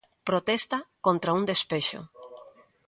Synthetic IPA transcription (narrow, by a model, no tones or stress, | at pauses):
pɾot̪ɛst̪ɐkont̪ɾɐuŋd̪espeʃʊ̰